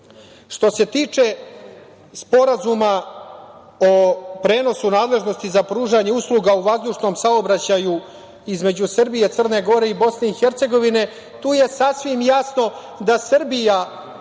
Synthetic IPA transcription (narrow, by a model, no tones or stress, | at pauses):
ʂt̪o̞se̞t̪iːt͡ʂe̞ | spo̞ɾazuma | opɾe̞ːno̞sunaːd̪lˠe̞ʒno̞st̪izapɾuːʒaɲe̞uslˠuɡauʋazd̪uːʂno̞msaobɾat͡ɕaju | izme̞d͡ʑusr̩bije̞t̪sər̩ne̞ɡo̞ɾe̞ibo̞sne̞ixeɾt̪se̞ɡo̞ʋine̞ | t̪uːje̞sasʋimjasno̞ | d̪asrbija